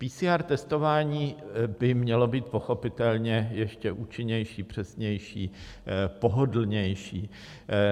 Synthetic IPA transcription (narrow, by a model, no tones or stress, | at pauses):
piːsiːaːɾt̪ɛst̪o̞vaːɲiːbɪmɲɛlo̞biːt̪̚po̞xo̞pɪt̪ɛlɲɛjɛʃcɛʔuːt͡ʃɪɲɛjʃiːpr̝̥ɛsɲɛjʃiː | po̞ɦodl̩ɲɛjʃiː